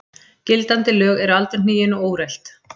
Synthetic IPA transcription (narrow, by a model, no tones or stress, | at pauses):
cɪlt̪ant̪ɪlœːɣɛɾalt̪ɪɾ̥n̥iːjɪnɔoːwɾɛjl̥t̪